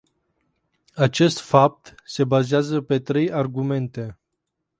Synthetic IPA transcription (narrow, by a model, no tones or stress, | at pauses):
at͡ʃe̞st̪fap̚t̪se̞bazeazəpe̞t̪ɾe̞jarɡume̞nt̪e̞